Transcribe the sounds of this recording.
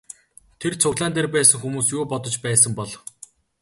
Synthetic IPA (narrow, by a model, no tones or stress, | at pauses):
t̪ʰert͡sʰʊɣɮaːnt̪erpæːsə̆ŋxumuːsjʊːpɔt̪ɞ̆t͡ɕpæːsə̆mpɔɮ